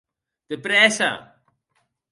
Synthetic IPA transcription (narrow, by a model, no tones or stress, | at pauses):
d̪̥əpɾɛsa̰